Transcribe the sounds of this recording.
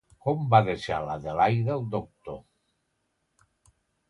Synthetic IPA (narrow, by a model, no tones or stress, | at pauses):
kombaðesa̰laðelajðeld̪ok̚t̪o